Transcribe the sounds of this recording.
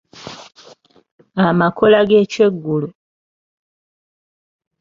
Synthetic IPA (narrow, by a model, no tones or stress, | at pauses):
amako̞laɡeːcwe̞ɡːulu